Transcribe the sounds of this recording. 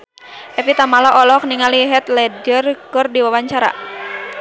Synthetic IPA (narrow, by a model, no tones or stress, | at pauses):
ʔɛfit̪amalɔʔɔlɔk̚niŋaliɦɛt̪̚lɛdɔrkɔrdiwawaɲt͡ʃaɾa̰